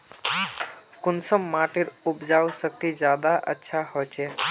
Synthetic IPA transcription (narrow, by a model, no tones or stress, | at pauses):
kʊnsəmːaʈiɾupd͡ʒawsək̚t̪id͡ʒjad̪aʔə̰tːʃʰahot͡ʃʰɛ